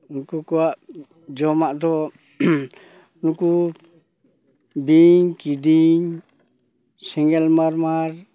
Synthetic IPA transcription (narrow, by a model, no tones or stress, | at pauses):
nukukuwaʔ | d͡ʒɔmaʔd̪ɔ | nuku | biɲkid̪iɲ | siŋɡɛlmaɾmaɾ